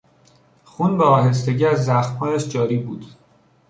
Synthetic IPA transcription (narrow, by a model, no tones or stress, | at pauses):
xuːnbeɒːɦe̞s̬t̪e̞ɟiːæzːæxmhɒːjæʃd͡ʒɒːɾiːbṵːd̪̥